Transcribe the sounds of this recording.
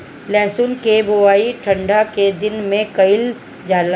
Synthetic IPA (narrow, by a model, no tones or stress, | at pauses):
lɛ̃ːsʊnkeboaːiʈʰə̃ɳɖaked̪ɪnmẽkɐɪl | d͡ʒaːl